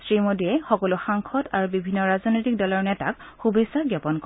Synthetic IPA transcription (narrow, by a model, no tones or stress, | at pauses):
sɹimodiɛxɔkɔlʊxaŋkʰɔtaɹubibʱinːɔɹaznɔjtik̚dɔlɔɹnɛtakxubesaɡjapɔnk